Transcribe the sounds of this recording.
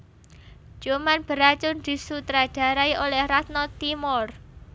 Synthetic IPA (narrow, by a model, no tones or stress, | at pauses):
d͡ʒ̥omanb̥əɾat͡ʃʊnd̪̥i̤sut̪ɾaɖ̥ä̤ɾaiʔolɛhrat̪̚nɔt̪imɔr